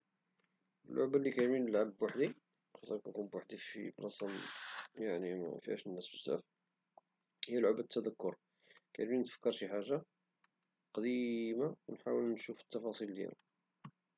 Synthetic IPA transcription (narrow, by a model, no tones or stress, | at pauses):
əlːʔo̰ʕbalːikæjminəlʕabbwaħd̪i | xɑt̪ˤəɾkækunbwaħd̪ifḭblɑsɑmjaʕnḭfihæ̰ʃnːæsbəsæ̰ɾ | hijæloʕbæt̪ʰːæd̪ækːʊɾˤ | kæ̰jminət̪fə̥kːəɾˤʃiħaʒːa | qɑd̪imawnħawəlnʃufət̪ːɑfɑsˤild̪jæ̰la